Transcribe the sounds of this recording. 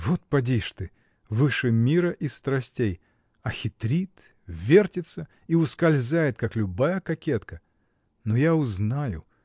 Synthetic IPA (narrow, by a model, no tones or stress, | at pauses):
vot̪̚pɐdʲiʂt̪ɨ | vɨʂɨmʲiɾəʔist̪ɾɐsʲtʲej | ɐxʲɪt̪ɾʲit̪ | vʲertʲɪt̪sə | iʊskɐlʲzʲajɪt̪̚kaklʲʊbajəkɐkʲet̪kə | nojaʊznajʊ̰